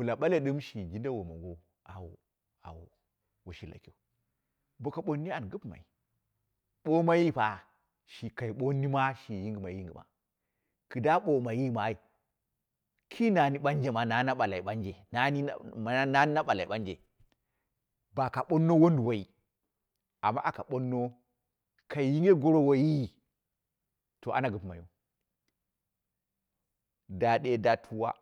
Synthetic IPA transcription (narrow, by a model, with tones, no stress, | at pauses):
wu˨la˨ɓa˦le˦ɗɨ˦mʃi˨ɡi˦n˦da˦wo˨mo˨ɡo˨ | a˨wo˨ | a̰˨wo̰˨ | wo˨ʃi˨la̰˨ki˦o˨ | bo˨ka˨ɓo˦nːi˦a˨n˨ɡɨ˦pma̰˨i˨ | ɓo˦ma˦ji˦pa˨ | ʃi˨ka˨i˨ɓo˦ni˦ma˦ʃi˨ji˦ŋɡma˨ji˦ŋɡi˨ma̰˨ | kɨ˨da˦ɓo˨ma˨ji˦ma˨˦i˨ | kʰi˦na˨ni˦ɓa˦nd͡ʒe˦ma˨na˨na˦ɓa˨la˨i˨ɓa˦nd͡ʒe˨na˨˦ni˦m˨˦na˦ni˦na˦ɓa˨la˨i˨ɓa˦nd͡ʒḛ˨ | ba˨ka˨ɓo˦nːo˦wo˦n˦du˨wa˨ji˨ | a̰˨mːa̰˦ʔa˨ka˨ɓo˦nːo˦ | ka˨i˨ji˦ŋɡe˦ɡo˦ɾo˦wa˨ji˦˨ | to˨ʔa̰˦na˨ɡu˨pma˨jo̰˨ | da˨ɗe˦da˦tʰu˦wa̰˦